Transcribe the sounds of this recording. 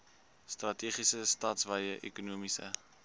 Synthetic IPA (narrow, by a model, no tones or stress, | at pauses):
strɐtiːχisəstɑːtsvɐjəʔekunuəmisə̰